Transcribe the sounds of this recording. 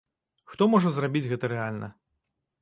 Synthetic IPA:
xt̪ɔmɔʐɐzrabʲid͡zʲɣɛt̪ɐɾɛalʲnɐ̰

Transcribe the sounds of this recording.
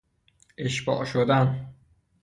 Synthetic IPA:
ʔeʃbɒ̰ːʔʃod̪æn

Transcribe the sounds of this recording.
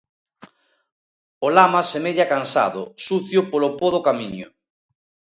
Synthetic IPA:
olamasemeðjakansa̰ðʊ̰suθjopolopoðokamiɲʊ̰

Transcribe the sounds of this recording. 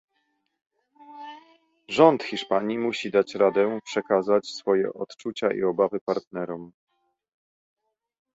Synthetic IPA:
ʐɔnt̪xʲiʂpaɲimuɕid̪at͡ɕɾad̪ɛpʂɛkazat͡ɕsfɔjɛ̰ʔɔt̪t͡ʂut͡ɕaʔḭɔbavɘpaɾt̪nɛɾɔm

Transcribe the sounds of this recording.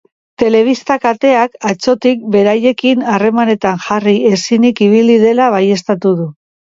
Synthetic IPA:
t̪e̞le̞β̞ist̪akat̪e̞akat͡so̞t̪ik̚be̞ɾaje̞kinare̞mane̞t̪aŋʝarie̞sinikiβ̞ilið̞e̞laβaje̞st̪at̪uðu

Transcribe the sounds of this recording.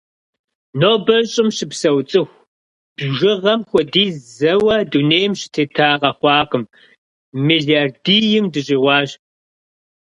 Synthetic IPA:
noːbɐɕʼɪmɕɪpsɐwt͡sʼɨxʷ | b̥ʒɪʁɐmxʷɔdiːzɐwɐduneːjmɕɪ̥tʰeːtʰaːqɐxʷɑːqɨm | miɮiardiːjɪmdɨɕʼiːʁʷɑːɕ

